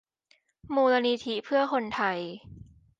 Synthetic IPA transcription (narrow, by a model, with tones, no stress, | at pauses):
muː˧la˧ni˧t̪ʰi˦˥pʰɯ˥˩ɐkʰo˧nt̪ʰa˧j